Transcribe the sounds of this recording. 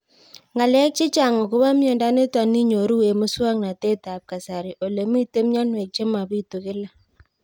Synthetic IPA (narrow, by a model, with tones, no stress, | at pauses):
ŋa˨lɛ˦k̚t͡ʃi˦t͡ʃa˨ŋo˨kʊ˦βa˦mjɔ˨nda˦ne˦twa˨ni˦ɲo˨ɾu˦e˨mʊ˦swa˦ŋna˨te˦ta˨p̚ka˨sa˨ɾi˨ʔo˨le˨mi˦te˦m˦ɲa˦nwe˨k̚t͡ʃe˦ma˨βi˦tu˨kɪ˦la˦